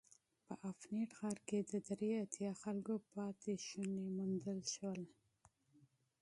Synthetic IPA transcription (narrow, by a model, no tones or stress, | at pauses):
pəʔafneʈxɑɾked̪əd̪ɾeat̪jɑxalkopɑt̪eʃunemund̪əlʃwəl